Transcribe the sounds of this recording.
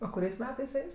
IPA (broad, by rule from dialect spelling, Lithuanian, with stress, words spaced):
oː kʊˈrʲɛɪs ˈmʲæːtɐɪs ˈɛɪs